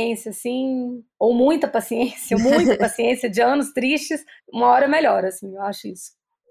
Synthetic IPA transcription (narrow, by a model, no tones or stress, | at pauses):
ẽsiɐasĩowmũj̃t̪ɐpasiẽsiomũj̃t̪ɐpasiẽsiɐd͡ʒɪɐ̃nʊst̪ɾiʃt͡ʃɪsũmɐɔɾɐmeʎɔɾasĩewaʃʊisʊ̥